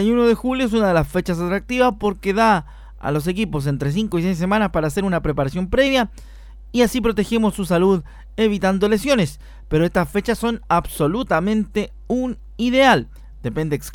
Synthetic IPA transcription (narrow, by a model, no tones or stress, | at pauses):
ajunoðe̞xuljoes̬unaðe̞lasfe̞t͡ʃas̬at̪ɾak̚t̪iβaspo̞ɾkeða | a̰lo̞s̬e̞k̬ipo̞s̬e̞nt̪ɾe̞s̬iŋkois̬ejs̬ːe̞manaspaɾaːse̞ɾunapɾepaɾasjo̞mpɾe̞βja | iasipɾo̞t̪e̞xemo̞sːusaluð | e̞β̞it̪and̪o̞le̞sjo̞ne̞s | peɾo̞e̞st̪asfe̞t͡ʃasːo̞naβso̞lut̪amẽ̞nt̪e̞ | un | iðe̞al | d̪̥e̞pe̞nd̪eks